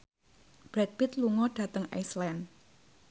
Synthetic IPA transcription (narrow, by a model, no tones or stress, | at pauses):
b̥ɾɛt̪̚bɪt̪luŋɔɖ̥ä̤t̪əŋa̰jslɛn